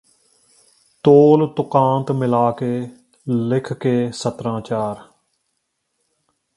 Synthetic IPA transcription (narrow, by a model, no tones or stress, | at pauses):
t̪oːlt̪ʊkãːnt̪mɪlaːkeː | lɪkʰkeːsət̪ɾãːt͡ʃaːɾ